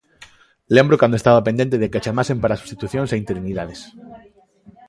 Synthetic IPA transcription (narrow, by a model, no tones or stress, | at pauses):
lembɾokand̪oest̪aβapend̪ent̪eðeket͡ʃamasempaɾasu̥st̪it̪uθjõŋsaint̪eɾiniðaðes